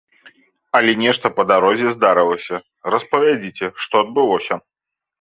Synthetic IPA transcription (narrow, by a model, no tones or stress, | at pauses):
ɐlʲɛnʲɛʂt̪ɐpɐd̪aɾɔzʲɛzd̪aɾɨlˠəsʲɐ | rɐspɐvʲad͡zʲit͡sʲɛʂt̪ɔɐd̪bɨlˠɔsʲɐ